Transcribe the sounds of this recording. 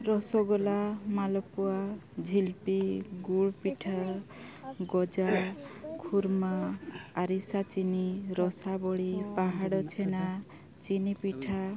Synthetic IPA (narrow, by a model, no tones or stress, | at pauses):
ɾɔsɔɡɔlamalɔpuad͡ʒʱilpiɡuɽpiʈʰa | ɡɔd͡ʒakʰuɾmaaɾisat͡ʃiniɾɔsabɔɽipaɦaɽɔt͡ʃʰena | t͡ʃinipiʈʰa